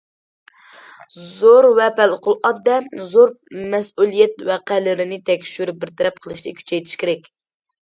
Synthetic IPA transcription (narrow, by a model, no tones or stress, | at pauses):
zoɾwɛpælqʊlˠʔɑd̪̚dːɛzoɾmɛsulˠijɛt̪wɛqælɪɾɪnɪt̪ʰɛkʲʃyɾybɪɾt̪ʰɛɾɛp̚qʰəlˠɨʃlɨ̰kʲʰy̥t͡ʃʰɛjt̪ʰɪ̥ʃkʲeɾɛkʲ